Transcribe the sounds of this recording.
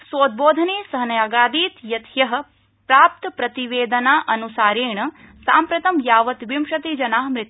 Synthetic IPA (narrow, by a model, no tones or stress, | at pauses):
soːd̪̚boːd̪ʱɐneːsɐɦɐnɐjaːɡaːd̪iːt̪jɐt̪ʰjɐɦɐ̆ | pɾaːp̚t̪ɐpɾɐt̪iʋeːd̪ɐnaːʔɐnusaːɾeːɳɐ | saːmpɾɐt̪ɐmjaːʋɐt̪ʋimʃɐt̪id͡ʒɐnaːɦmɾɪt̪